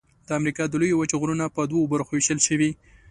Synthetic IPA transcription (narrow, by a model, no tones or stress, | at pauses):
d̪̥əamɾikɑd̪əlojowət͡ʃɣɾunapəd̪woobaɾxowiʃəlʃəwi